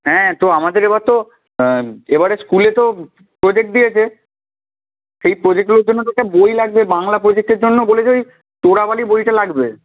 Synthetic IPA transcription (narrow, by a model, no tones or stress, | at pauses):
ɦɛ̃t̪oamad̪eɾebaɾt̪o | ebaɾeskulet̪o | pɾod͡ʑek̚ʈ̚d̪ijet͡ɕʰe | ʃejpɾod͡ʑek̚ʈɡuleɾd͡ʑonːoʈɛk̚ʈabojlaɡ̚bebaŋlapɾod͡ʑek̚ʈeɾd͡ʑonːobolet͡ɕʰoj | t̪oɽabalibojʈalaɡbe